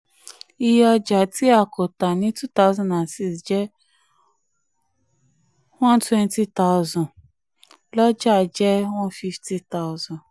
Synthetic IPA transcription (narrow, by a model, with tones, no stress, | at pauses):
i˧jɔ˧d͡ʒa˨tʰi˦a˦˨kʰo˨ta˨nĩ˦tu˦t̪a˦ʊzɔ̃˦nã˨nsi˦sd͡ʒɛ˦ | wɔ̃˦ntwɛ̃˦nti˦ta˦ʊzɔ̃˨ | lɔ˦d͡ʒa˦˨d͡ʒɛ˦wɔ̃˦nfi˦fti˧ta˦zɔ̃˨